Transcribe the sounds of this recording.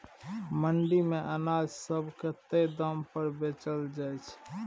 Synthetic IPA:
məɳɖimeʔənad͡ʒsəbʱket̪ed̪əmpəɾbet͡ʃəld͡ʒajt͡ʃʰ

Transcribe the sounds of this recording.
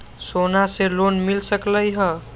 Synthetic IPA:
sonaselonmilsəkləjɦə

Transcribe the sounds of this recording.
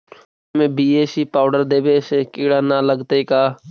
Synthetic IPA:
mẽːbiːeːsiːpaːʊɖəɾd̪eːbeːseːkiːɽaːnaːləɡt̪eːkaː

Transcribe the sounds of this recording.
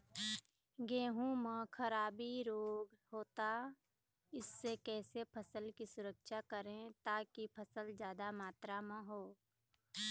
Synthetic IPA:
ɡeːɦũmə̃kʰəɾaːbiɾoːɡɦoːt̪a | ɪsːekɛːsepʰəsəlkisʊɾəkʃakəɾẽt̪aːkipʰəsəld͡ʒjaːd̪amaːt̪ɾamə̃ɦoː

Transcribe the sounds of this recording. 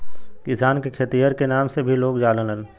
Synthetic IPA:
kɪsaːnkekʰet̪ijəɾkenaːmsebʱiloːɡd͡ʒaːlənəl

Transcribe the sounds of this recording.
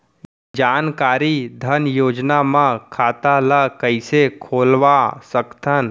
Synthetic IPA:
d͡ʒaːnkaːɾid̪ʱənjoːd͡ʒnamãkʰaːt̪aləkəɪsekʰoːlʋasəkt̪ʰən

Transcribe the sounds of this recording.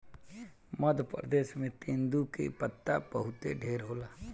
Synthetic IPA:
məd̪ʱpɾə̰d̪eːʃmẽt̪ẽːnd̪ukḛpət̪ːapəɦʊt̪eɖʱeːɾɦoːlaː

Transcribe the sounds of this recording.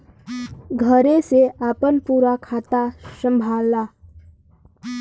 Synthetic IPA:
ɡʱəɾẽseaːpənpuːɾakʰaːt̪asə̃mbʱaːlːaː

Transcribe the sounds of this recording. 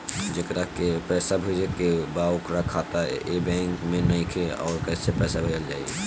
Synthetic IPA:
d͡ʒekɾakepɛːsabʱəd͡ʒekebaʊkɾakʰaːt̪aebɛ̃ːŋkmẽnəĩkʰeɔ̰ːɾkɛːsepɛːsabʱəd͡ʒəld͡ʒaːḭḛ

